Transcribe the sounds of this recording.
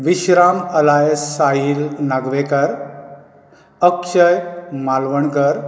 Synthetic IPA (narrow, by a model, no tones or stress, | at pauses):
ʋiɕɾaməlajəsːaɦilnaɡʋekəɾ | əkɕəjmalʋəɳkəɾ